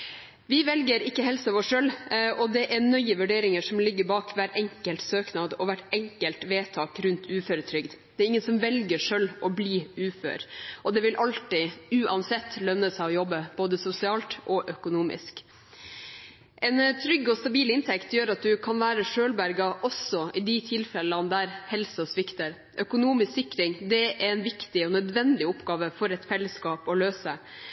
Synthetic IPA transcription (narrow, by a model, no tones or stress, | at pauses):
ʋɪʋɛlɡəɾɪkːəɦɛlsɑʋɔʂølʔɔd̪ɛʔɛɳœʏəʋʉɖeːɾɪŋəʂɔmlɪɡːəɾbɑːkʰʋæːʈɛŋkəlt̪søːknɑːd̪ɔʋæʈːɛŋkəlt̪ʋeːt̪ʰɑːkɾʉnt̪ʰʉːføɾət̪ʰɾʏɡd̪ | d̪̥ɛːɾɪŋːənsɔmʋɛlɡəʂœlːʔɔbliːʉːfø̰ːɾʔɔd̪ɛʋɪlʔɑlt̪ɪʉːʔɑnsɛt̪ːlœnːəsɛɪɔjɔbːəb̥oːd̪əsʊsɪɑːlt̪ʔɔʔœkʊnuːmɪ̰sk | ʔɛnt̪ʰɾʏɡɔst̪ɑbiːlɪnt̪ʰɛkt̪jøːɾɑt̪̚d̪ʉkʰɑnʋæːɾəʂøːlbæɾɡɑʔɔsɔɪd̪ɪt̪ʰɪlfɛlɑnd̪æɾhɛlssʋɪkt̪əɾ | ʔœkʊnuːmɪsksɪkɾɪŋd̪ɛʔɛɛnʋɪkt̪ɪɔnœd̪ʋɛnd̪ɪʊpːɡɑːʋəfɔɾɛt̪fɛlːəskɑːpɔløːsə